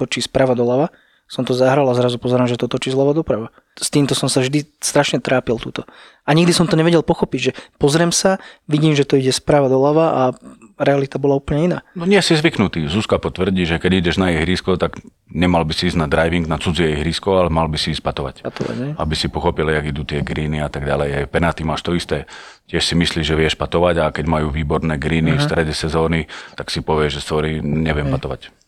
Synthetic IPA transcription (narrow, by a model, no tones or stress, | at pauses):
t̪ɔt͡ʃiːspɾaʋad̪ɔlaʋa | sɔmt̪ɔzaɦɾalazɾazupɔzɛɾaːmʒɛt̪ɔt̪ɔt͡ʃiːzlaʋad̪ɔpɾaʋa | st̪iːmt̪ɔsɔmsavʒd̪ist̪ɾaʃɲɛt̪ɾʔaːpilˠt̪uːt̪ɔ | aɲiɡd̪isɔmt̪ɔɲɛʋɛɟɛlpɔxɔpiɟʒɛpɔzɾɛmsaʋiɟiːmʒɛt̪ɔiɟɛspɾaʋad̪ɔlaʋaʔaɾɛalit̪abɔlauːpl̩ɲɛina̰ːnɔɲɪɛsizʋiknut̪iːzuskapɔt̪ʋr̩ɟiːʒɛkɛɟiɟɛʒnajɛjɦɾiːskɔt̪aɡ | ɲɛmalbisiiːzɟnad̪ɾajʋiŋɡnat͡sud͡ziɛjɦɾiːskɔalɛmalbisiːsc̚pat̪ɔʋa̰caɔa̰ɛabisipɔxɔpiljaɡid̪uːt̪ɪɛɡɾiːniat̪aɡɟa̰lɛjɛjpɛnat̪imaːʃt̪ɔist̪ɛːcɪɛʃsimisliːʒɛʋɪɛʃpat̪ɔʋaɟakɛɟmajuːʋiːbɔɾnɛːɡɾiːnifst̪ɾɛɟɛsɛzɔːnit̪aksipɔʋɪɛʒʒɛst̪ʋɔɾiːɲɛʋɪɛmpat̪ɔʋa̰c